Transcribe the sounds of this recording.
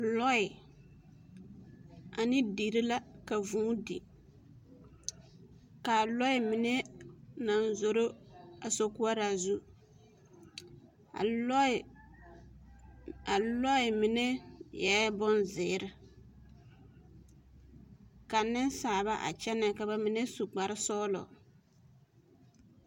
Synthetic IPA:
lɔ˦ɪ˨ | a˨nɪ˦di˨ɾɪ˦la˦ka˨vũː˦dḭ˨ | ka˨lɔ˦ɪ˦mɪ˨nɛ˦na˨n˦zo˨ɾo˦a˨so˨kʊ˦a˦ɾa˨zu˦˨˦ | a˨lɔ˦ɪ˨mɪ˨nɛ˦jɛ˨˦bɔ˦nzɪː˨ɾɪ˨ | ka˨nːɪ˦nsaː˨βa˦ʔa̰˨t͡ʃɛ˦nɛ˨ka˨ba˨mɪ˨nɛ˦su˨k͡pa˨ɾɪ˦sɔ˦lɔ̰˨

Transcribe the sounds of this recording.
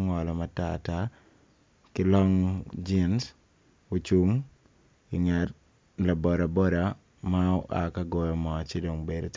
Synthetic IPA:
ŋɔ˨lɔ˨ma˦ta̰˦ta˦ | kɪ˦lɔ˦ŋd͡ʒɪ˦ns | o˨t͡ʃu˦ŋ | ɪ˨ŋɛ˨t | la˨bɔ˨ɾa˨bɔ˦ɾa˨ | ma˦ɔ˦ʔaka˦ɡɔ˦jɔ˨mɔ˨t͡ʃe˦do˨ŋbe˨do˨t

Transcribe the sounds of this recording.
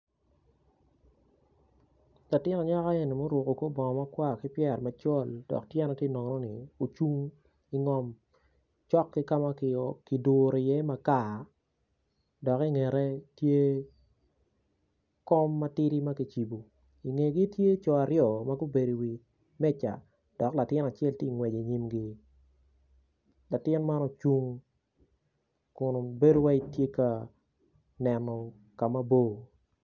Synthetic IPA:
la˨tɪ˦nɔ˨ɲa˦ka˦e˦˨ni˨mo˦ɾwo˨ko˨ko˦bɔ˨ma˦kwa˦˨kɪ˦pjɛ˨rma˨t͡ʃɔ˦˨ld̥ɔ̰˨ktjɛ˦nɔ˨tje˦˨nɔ˨ŋnɔ˦nɪ̰˨o˨t͡ʃu˦ŋ | i˨ŋɔ˨m | t͡ʃɔ˦kːi˦ka˦ma˦kɪ˨ki˨doː˨ɾɔ˨jɛ˦ma˨ka˦˨ | dɔ˨ki˦ŋe˨ɾe˦tje˦ | kɔ˦mːa˦tɪ˦ɾi˦ma˦ki˨t͡ʃi˨bu˨ | i˨ŋe˨ɡi˦tje˦t͡ʃɔ˨a˨ɾjɔ˨ma˦ɡʊ˦be˨di˨wi˨ | mɛ˦t͡ʃa̰˨ | d̥ɔ˨kla˨tɪ˦na˨t͡ʃɛ˦lti˦˨ŋwɛ˨d͡ʒe˨ɲi˦mɡi˦ | la˨tɪ˦nma˦nɔ˦t͡ʃu˦ŋ | kʊ˨no˨be˦do˦wa˦i˦tje˦ka˨ | nɛ˨nɔ˨ | ka˨ma˦bo˦˨

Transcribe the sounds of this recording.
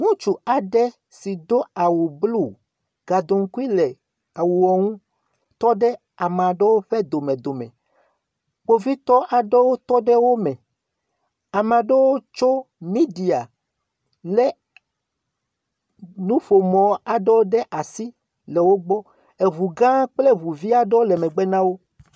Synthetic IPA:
ŋũ˦t͡ʃu˨a˨ɖɛ˦ | si˨d̪o˦a˨wu˨blu˦ | ɡ̥a˨d̪o˨ŋ̩˦ku˦i˦lɛ˨ | a˨wu˨wɔ˨ŋũ˦ | t̪ɔ˦ɖɛ˦ | a˨m˨a˨ɖe˦wo˦ɸɛ˦d̪o˨mẽ˨d̪o˨mɛ̰̃˨ | k͡po˦vi˦t̪ɔ˦ʔa˨ɖe˦wo˦t̪ɔ˦ɖɛ˦wo˦mɛ̃˨ | a˨me˨a˨ɖe˦wo˦t͡ʃo˦ | mi˦di˨a˨ | le˦ | nũ˦ɸo˨mɔ̃˨˦a˨ɖe˦wo˦ɖɛ˦ʔa˨si˦ | le˨wo˦ɡ͡bɔ˦ | e˨βu˨ɡã˦k͡ple˦βu˨vi˦a˨ɖe˦wo˦lɛ˨mɛ̃˨ɡ͡bɛ˦nã˦wo˦

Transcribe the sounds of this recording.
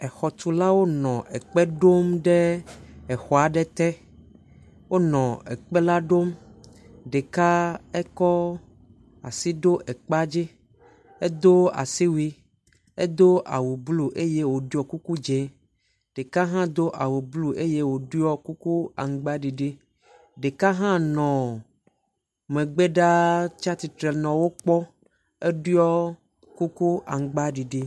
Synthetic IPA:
ɛ˨xɔ˨t̪u˨la˦wo˦nɔ̃˨ʔɛ˨k͡pɛ˦ɖo˦mɖɛ˦ɛ˨xɔ˨a˨ɖɛ˦t̪ɛ˦ | wo˦nɔ̃˨ɛ˨k͡pɛ˦la˦ɖo˦m | ɖe˨ka˦ɛ˦kɔ˦ | a̰˨si˦d̪o˦ʔɛ˨k͡pa˦d͡ʒi˦ | e˦d̪o˦a̰˨si˦wi˦ | ḛ˦d̪o˦ʔa̰˨wu˨blu˨ʔe˦je˦wo˨du˦ɔ˨ku˦ku˦d͡ʒe˦ | ɖ̥e˨ka˦ɦã˦d̪o˦ʔa˨wu˨blu˨ʔe˦je˦wo˨ɖu˦jɔ˦ku˦ku˦a̰˨ŋ˨ɡ͡ba˦ɖi˨ɖe˦ | ɖe˨ka˦ɦã˦nɔ̃˨ | mẽ˨ɡ͡be˦ɖa˦t͡ʃa˦t̪i˨t̪ɾe˨nɔ̃˨wo˦k͡pɔ˦ | e˦ɖu˦jɔ˦ | ku˦ku˦ʔa˨ŋ˨ɡ͡ba˦ɖi˨ɖe˦

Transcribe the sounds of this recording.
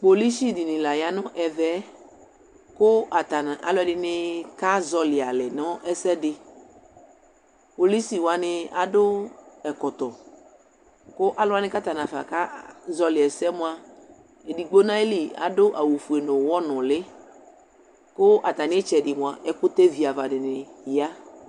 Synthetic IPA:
k͡po˨li˦si˦dɪ˨nɪ̃˨la˨ja˦nɔ̃˦ʔɛ˨vɛ˦ | kʊ˦a˨ta˨n˨a̰˨lʊ˦ɛ˦dɪ˨nɪ˦ka˦zɔ˦lɪ˨a˨lɛ˨nɔ̃˦ɛ˦sɛ˦dɪ˨ | po˨li˦si˨wa˨nɪ˧a˨dʊ˦ɛ˨kɔ˨t̪ɔ˨ | kʊ˦ʔa˦lʊ˦a˦nɪ˦ka˦t̪a˨nã˨fa̰˨ka˦zɔ˦lɪ˨ɛ˨sɛ˦mʊ̃˦a˨ | e˨di˨ɡ͡bo˦nã˦e˦li˨a̰˨dʊ˦ʔa˨wo˨fu˨e˨no˨wɔ˦nʊ̃˨lɪ˦ | kʊ˦ʔa˨t̪a˨nɪ˦ɛ˦t͡ʃɛ˨dɪ˨mʊ̃˨a˨ʔɛ˦kʊ˦t̪e˦vi˨a˨va˨dɪ˨nɪ˨˦a˦

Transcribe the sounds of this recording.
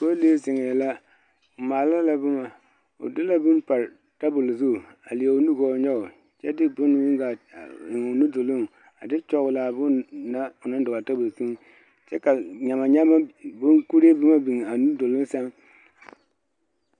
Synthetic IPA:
ko˦le˦sɪ˨ŋɛ˨la˦ | ʊ˨ma˨la˦la˦bʊ˦ma˨ | ʊ̰˨dɪ˦la˦bʊ˦npa˨ɾ | ta˦bʊ˨lzu˦˨ | a̰˨li˨a˨ʊ˨˦nu˦ɡɔ˨ɲɔ˦ʊ˨ | t͡ʃɛ˦dɪ˦bʊ˦n˨wi˦ŋɡa˨ɪ˨ŋ˨ʊ˨nu˦do˨lʊ˦ŋ | a˨dɪ˦t͡ʃɔ˦ɣʊ˨la˨bʊ˦nna˦ʊ˨na˦n˦dʊ˨ɣa˨ta˦bʊ˨lsu˦ŋ | t͡ʃɛ˦ka˨ɲa˨ma˨ɲa˦ma˦bʊ˦nku˦ɾe˦bɪ˦ma˦bi˨ŋ˨a˨nu˦do˨lʊ˦n˦sɛ˦m

